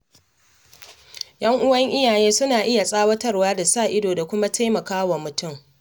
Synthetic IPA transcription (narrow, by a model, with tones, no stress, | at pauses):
jɐ˦ŋʔʊ˦wɐ˦ŋʔɪ˦jaː˨jeː˦sʊ˦naː˨ʔɪ˦ja˨sʼaː˦wɐ˦tɐ˦rwaː˦da˨saː˦˨ʔɪ˦doː˨da˨kʷʊ˦ma˦tʰa˦jmɐ˨kaː˦wa˨mʊ˨tʊ˦˨m